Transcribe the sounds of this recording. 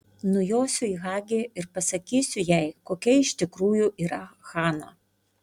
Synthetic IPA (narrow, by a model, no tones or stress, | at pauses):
nʊjoːsʲʊiːɣɑːɡʲeɪɾpɐsɐkʲiːsʲʊjɛɪkoːkʲɛɪʃʲt̪ʲɪkɾuːjʊʔiːɾɐxɑːnɐ̰